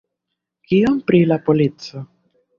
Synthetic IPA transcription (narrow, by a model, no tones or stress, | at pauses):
kiompɾilapolit͡so